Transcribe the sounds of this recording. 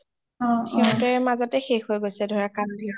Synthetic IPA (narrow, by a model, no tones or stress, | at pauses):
ɔtʰɛʊ̃tɛmazɔtɛxexɦojɡojsɛdʱoɹakamdia